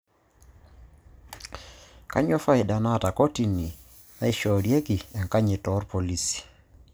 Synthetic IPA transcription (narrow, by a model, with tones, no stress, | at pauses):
ka̰˦ɲɔ˦fa˦ɪ˨da˨na˦˨ta˨ko˦ti˨ni˨ | na˦i˦˨ʃɔ˨ɾje˦kɪ˨ɛ˨ŋka˦ɲɪ˨tɔ˨˦ɾpo˨li˦si̥˨